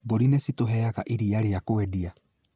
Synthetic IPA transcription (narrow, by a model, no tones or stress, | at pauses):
boɾinɛsitoɦɛaɣaʔiɾiaɾeakoɛdia